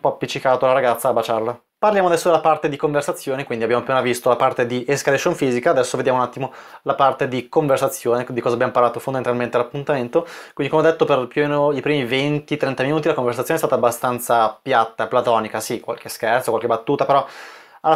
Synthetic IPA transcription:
umpɔpːit͡ʃːikaːt̪olaɾaɡat̪sːaːbat͡ʃarla | parljamoad̪ɛsːod̪elːapart̪ed̪ikoɱversat̪sːjoːnekwind̪iabjamopinavist̪olapart̪ed̪iʔeskaleʃonfiːzikaːd̪ɛsːoved̪jamounat̪ːimolapart̪ed̪ikoɱversat̪sːjoːned̪ikɔːzabjamoparlaːt̪ofond̪ament̪alment̪elapːunt̪ament̪okwind̪ikomeɔd̪et̪ːoperpjuomːeːnoipɾiːmivent̪it̪ɾɛnt̪aminuːt̪ilakoɱversat̪sːonɛst̪at̪aːbːast̪ant̪sapjat̪ːaplat̪ɔːnikasikwa̰lkeskɛrt̪sokwalkebat̪ːuːt̪apeɾɔ | a

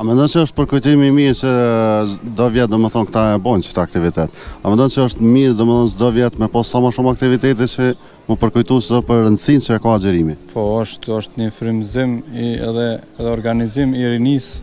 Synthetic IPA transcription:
amɛnd̪ɔnt͡ʃəɔʃt̪̚pəɾkujt̪imimiɾt͡ʃə | d̪ɔvjɛt̪̚d̪ɔməθɔnkt̪aɛbɔnt͡ʃə̥t̪əak̚t̪ivit̪ɛt̪amɛnd̪ɔnt͡ʃəɔʃt̪miɾd̪ɔmɛθɔnsəd̪ɔvjɛt̪mɛpɔssamaʃumak̚t̪ivit̪ɛt̪̬ɛt͡ʃə | məpəɾkujt̪usɛðɔpəɾɾənsint͡ʃəɛkɔad͡ʒɛɾimipʰɔɔʃt̪ɔʃt̪ɲəfɾimzimiɛ̰ðɛɛðɛɔɾɡanizimiɾinis

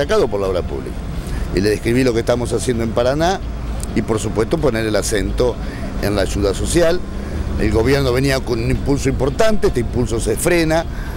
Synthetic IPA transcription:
akaðopoɾlaoɾapṵβlḭkaḭleðehkɾiβilo̞kest̪amo̞sasjend̪oempaɾana | ipo̞ɾsupwe̞st̪op̬o̞neɾelasent̪o̞ | ḛnlaːʒuðaso̞sjalḛlɣo̞β̞jeɾno̞βeniakonunimpulsoimpo̞ɾt̪ant̪eehst̪eimpulsosefɾena

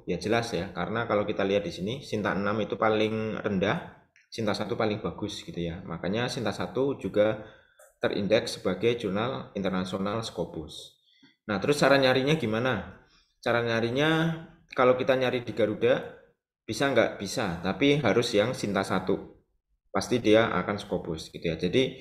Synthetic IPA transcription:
jad͡ʒəlasjakaɾənakalawkit̪aliɦat̪̚disinisint̪a̰ʔənamit̪upalɪŋrəndah | sint̪asat̪upalɪŋb̥aɡ̥ʊsɡ̥it̪ujama̰kaɲasint̪asat̪ud͡ʒuɡa | t̪ərʔḭndɛksəb̥aɡajd͡ʒurnalint̪ərnasionalsə̥kopʊs | naht̪əɾʊst͡ʃaɾaɲaɾiɲaɡimana | t͡ʃaɾaɲaɾiɲa | kalawkit̪aɲaɾidiɡaɾudaʔ | b̥isaŋɡaʔb̥isat̪apiɦaɾʊsjaŋsint̪asat̪u | past̪idiaʔa̰kansə̥kobʊsɡ̥it̪ujad͡ʒadi

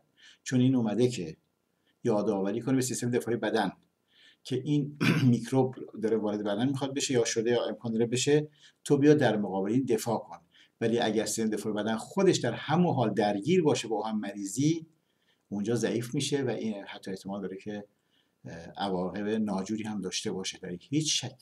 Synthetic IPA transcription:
t͡ʃʰonʔiːnomæd̪ecʰe | jɒːd̪ɒːvæɾiːkʰonibesist̪emed̪efɒːhjebæd̪æn | cʰeʔiːnmikʰɾobd̪ɒːɾevɒːɾe̞d̪e̞bæd̪ænmiːxɒd̪̚be̞ʃejɒːʃod̪e̞jɒːe̞mkʰɒːnd̪ɒːɾebe̞ʃe | t̪ʰobijɑːd̪ːæɾmoɣɒːbeleiːnd̪e̞fɒːkʰon | væliːʔæ̰ɟæɾsiseed̪efɒːhjebæd̪ænxo̞d̪e̞ʃd̪æɾhæmunɦɒːld̪æɾɟiːɾbɒːʃebɒhæmːæɾiːziː | und͡ʒɒːzæʔiːfmiːʃevæʔihæt̪ʰːɒːe̞ht̪ʰemɒːld̪ɒːɾecʰe̞ | ʔævɒːɣe̞benɒːd͡ʒuːɾiːhæmd̪ɒːʃt̪e̞bɒːʃed̪æɾihiːt͡ʃʃækʰ

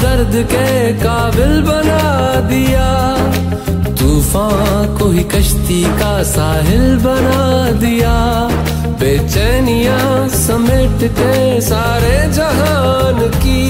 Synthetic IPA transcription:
d̪ɐɾd̪kekaːbɪlbɐna | d̪ɪjaː | t̪uːfãːkoɦikɐʃt̪ika | saːɦɪlbɐnad̪ɪjaː | beːt͡ʃɛːnɪjã | sɐmɪʈkesaːɾed͡ʒɐɦa | n | ki

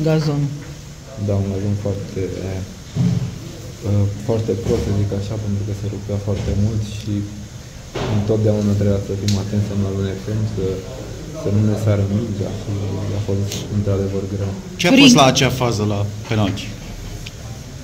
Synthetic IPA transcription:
ɡazon | d̪aunɡazo̞nfoart̪ʰe̞ | əfoart̪e̞pɾo̞t̪səzikaʃape̞nt̪ɾukəse̞ɾupeafoart̪e̞mult̪ʃi | ɨnt̪o̞t̪̚d̪eaunat̪ɾebujasəfimat̪e̞nt̪samlalunefemsə | sənune̞saɾəmikd̪a̰ʃia̰fo̞st̪ɨnt̪ɾad̪e̞vərɡɾew | t͡ʃeapfost̪laːt͡ʃeafazəlapenokʲ

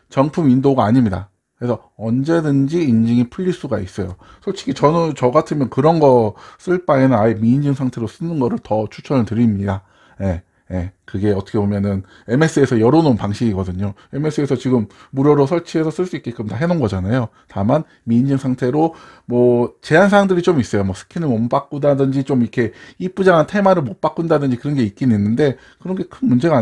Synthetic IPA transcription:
t͡ɕʌŋpʰumindoɡaːɲimɲida | kɾesʰʌ | ʌnd͡ʑe̞dɯnd͡ʑiːnd͡ʑiŋipʰɯʎːiɭs͈uɡais͈ʌjo | sʰʌɭt͡ɕʰiɡit͡ɕʌnɯnt͡ɕʌɡatʰɯmjʌnkɯɾʌnɡʌs͈ɯɭp͈aenɯnaemiːnd͡ʑɯŋsʰaŋtʰe̞ɾos͈ɯnɯnɡʌɾɯɭtʌt͡ɕʰut͡ɕʰʌnɯɭtɯɾimɲida | je̞ | jekɯɡe̞ʌt͈ʰʌkʰebomjʌnɯn | e̞me̞s͈ʰɯe̞sʰʌjʌɾononpaŋɕʰiɡiɡʌdɯɲoe̞me̞s͈ʰɯe̞sʰʌt͡ɕiɡɯmː | uɾjʌɾosʰʌɭt͡ɕʰiɦe̞sʰʌs͈ɯɭs͈uik͈e̞k͈ɯmtaɦenonɡʌd͡ʑanajo | taman | miːnd͡ʑɯŋsʰaŋtʰe̞ɾomwʌt͡ɕe̞ɦansʰaɾaŋdɯɾit͡ɕomis͈ʌjomwʌsʰɯ̥kʰinɯmʌmpak͈udadɯnd͡ʑit͡ɕomikʰe̞ip͈ud͡ʑaŋantʰe̞maɾɯɭmop͈ak͈undadɯnd͡ʑikɯɾʌnɡe̞ik͈inɯninːɯnde̞ | kɯɾʌnɡe̞kʰɯnmund͡ʑe̞ɡa

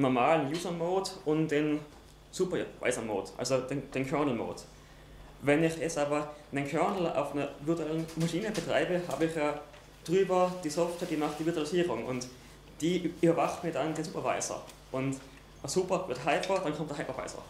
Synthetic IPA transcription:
nɔɐmaːlənjuːzɐmoːtʊnd̥eːn | suːpɐva̰ɪsɐmo̰ːtʔa̰lsod̥end̥eːnkʰœɐnl̩mo̰ːt | vɛnɪçɛsaːbɐnenkʰœɐnl̩a̰ʊfnɐvɪɐtuɛlənmaʃiːnəbətʁ̥a̰ɪbəha̰ːbəɪχjaː | d̥ʁyːbɐd̥iːsɔftveːɐd̥iːmaχtd̥iːvɪɐtuwalisiːʁʊŋʊ̰nt | d̥iːyːbɐvaχtmiːɐdandeːnsuːpɐva̰ɪsɐ̰ | ʔʊnt | suːpɐvɪɐthɦaɪpɐd̥ankʰɔmtdɐhaɪpɐva̰ɪsɐ̰

